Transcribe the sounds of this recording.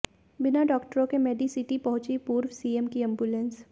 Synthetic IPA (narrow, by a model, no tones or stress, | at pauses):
bɪnaɖɔːkʈəɾõkemeːɖisɪʈipɐɦʊ̃t͡ʃipuːɾwsiːemkiɐ̃mbjulə̃ns